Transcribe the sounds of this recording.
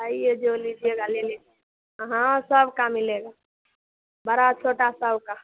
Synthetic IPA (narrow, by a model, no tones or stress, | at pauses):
əied͡ʒolid͡ʒieɡalele | ɦãsəbkamileɡa | bəɾat͡ʃʰoʈasəbka